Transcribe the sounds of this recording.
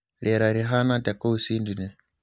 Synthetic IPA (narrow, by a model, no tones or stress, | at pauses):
ɺɛɾaɾiɦanatakousindinɛ